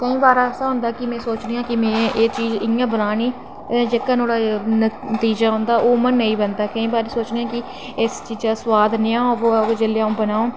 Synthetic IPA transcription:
kəĩːbaːɾaːɛsaːɦʊ̃nd̪aːkɪmɛ̃ːsoːt͡ʃneːãːkɪmɛ̃ːeːt͡ʃiːd͡ʒɪãːbənaːniː | d͡ʒeːkːanoːɽaːnət̪iːd͡ʒaːɦʊ̃ːnd̪aːʔoːmənːəĩːbənd̪aːkəĩːbaːɾiːsoːt͡ʃneːãːkɪ | ɪst͡ʃiːzɡaːswaːd̪nɪjãːʋoːd͡ʒeljaːũːbənaːõː

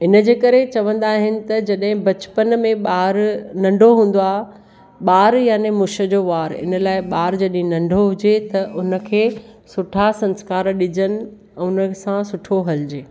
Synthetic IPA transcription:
ɪnə̆d͡ʑeːkɐɾet͡ɕɐʋə̃nd̪aːɦɪnɪ̆t̪ɐd͡ʑɐɗɦɪ̃bɐt͡ɕpənmẽɓaːɾnɐ̃ɳɖʱoɦũːn̆d̪oaː | ɓaːɾjaːnemʊʃə̆d͡ʑoːʋaːɾɪ̰nəlaːɪɓaːɾd͡ʑɐɗɦɪ̃nɐ̃ɳɖʱoɦʊd͡ʑet̪ɐʔʊnə̆kʰeː | sʊʈʰasɐ̃nskaːɾɗɪd͡ʑənɪ̆ | ɛ̃ːʊnəsãsʊʈʰoɦɐld͡ʑeː

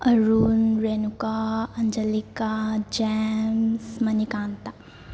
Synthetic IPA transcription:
ɐɾunɾeːnukaɐɲd͡ʒəlikad͡ʒɛmsmɐnikãːnt̪a

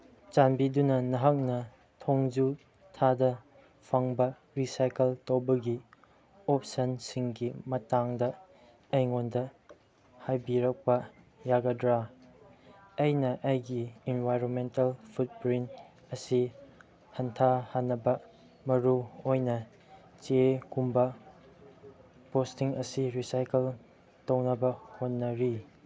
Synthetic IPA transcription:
t͡ʃanbidunɐnɐɦɐk̚nɐ | tʰoŋd͡ʒu | tʰadɐ | pʰɐŋbɐ | ɾisajkeltowbɐɡi | opsɐnsiŋɡimɐtaŋdɐ | ejŋondɐ | hajbiɾɐk̚pɐ | jaɡɐdɾa | ɐjnɐʔɐjɡiinvʱajɾonmentɐlpʰut̚pɾin | ɐsi | hɐntʰahanːɐbɐ | mɐɾuojnɐ | t͡ʃekumbɐ | postiŋɐsiɾisajkel | townɐbɐhonːɐɾi

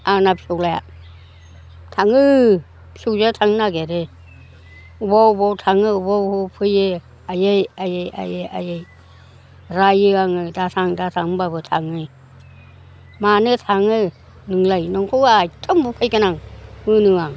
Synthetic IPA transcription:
anapsɔwlaja̰ | tʰaŋɯ | psuwzatʰaŋnaɡeɾe | ubawubawtʰaŋɯubawɯwpʰɯjɯ | ajejajeja̰jea̰jej | ɾajɯaŋɯdatʰaŋdatʰaŋbabɯtʰaŋɯ | manɯtʰaŋɯ | nɯŋlajnɔŋkʰuwajtʰɯmbupʰajkɯnaŋmɯnɯŋaŋ

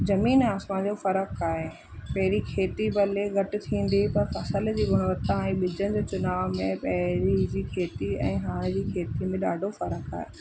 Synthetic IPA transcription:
zɐmiːnaːsmãd͡ʑofɐɾəkaːɦe | pɐɦɪɾikʰeːt̪ibɐleɣɐʈɪ̆t̪ʰĩːn̆d̪ipɐɾfɐsəld͡ʑiːɡʱʊɽ̃ʋət̪ãɛ̃ɓɪd͡ʑənɪ̆d͡ʑoːt͡ɕʊnaːʋmẽpɐɦɪɾid͡ʑiːkʰeːt̪iɛ̰̃ːɦaːɽ̃d͡ʑiːkʰeːt̪imẽɗaːɖʱofɐɾəka̰ːɦe

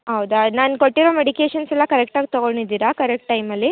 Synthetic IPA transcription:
ɦɐwd̪unaːnkoʈːiɾo̞ːmeɽikeːʃɐnsɛlːɐkɐɾek̚ʈaːɡ̚t̪ɔɡoɳɖid̪iːɾakɐɾek̚ʈʈɐjmɐlːi

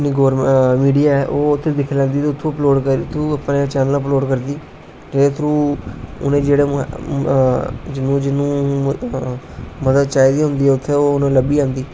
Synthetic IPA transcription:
niːɡoːɾmmiːɖijaːɛʔoːʊt̪ʰːeːd̪ɪkʰːlɛ̃ːnd̪iːt̪eːʊt̪ʰːõːəploːɖkəɾt̪ʰːõːəpneːt͡ʃɛːnələploːɖkəɾd̪iː | d͡ʒeet̪ʰɾũːʊ̰nẽːd͡ʒeːɽeː | d͡ʒɪnũːd͡ʒɪnːũː | məd̪əd̪̚t͡ʃaːiːd̪iːɦʊnd̪iːɛːʊt̪ʰːeːoːʊnẽːləbiːãːnd̪iː

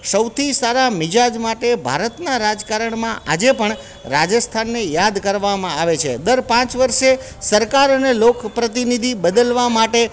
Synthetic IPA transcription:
səwt̪ʰisaɾamɪd͡ʒad͡ʒmaʈebʱa̰ɾət̪naɾad͡ʒkaɾəɳmãʔad͡ʒepəɳ | ɾad͡ʒəst̪ʰanːejad̪kəɾʋamãaʋet͡ʃʰḛd̪əɾpãt͡ʃʋəɾʃe | səɾkaɾənelokpɾət̪̬inid̪ʱibəd̪əlʋamaʈe

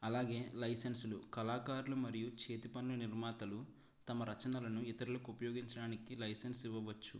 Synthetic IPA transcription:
ɐlaːɡe̞ːlɐjsensulukɐlaːkaːɾulumɐɾijut͡ʃe̞ːt̪ipɐnlɐniɾmaːt̪ɐlu | t̪ɐmɐɾɐt͡ʃɐnɐlɐnuit̪ɐɾilɐkuupɐjoːɡiɲt͡ʃɐɽaːnikilɐjsensiʋːɐʋɐt͡ʃːṵ

